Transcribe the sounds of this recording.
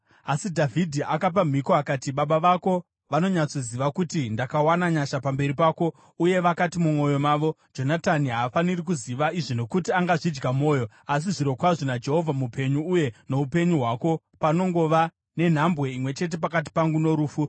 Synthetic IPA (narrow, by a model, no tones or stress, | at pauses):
asidʱavʱidʱiʔakap̬am̤iko̞akaːtiɓaɓaʋako̞ | ʋano̞ɲat͡so̞ziʋakutindakawanaɲaʃapambe̞ɾipaːko̞ | uje̞ʋakatimumwo̞jo̞maːʋo̞d͡ʒo̞nataniɦaːfanirik̬uziʋaiʐino̞kutiaŋɡaʐid͡ʒɡamo̞ːjo̞ | as̬iʐiɾo̞kwaʐonad͡ʒe̞ɦo̞vʱamupe̞ɲuːje̞no̞upe̞ɲuɦwako̞ | pano̞ŋɡo̞ʋa | ne̞n̤ambwe̞imwe̞t͡ʃe̞t̬e̞pakat̬i̥paŋɡuno̞ɾuːfu